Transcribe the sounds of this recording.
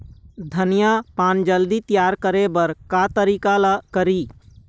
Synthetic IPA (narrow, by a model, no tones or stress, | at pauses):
d̪ʱənijapaːnd͡ʒəld̪it̪jaːɾkəɾebəɾkat̪əɾiːkalakəɾiː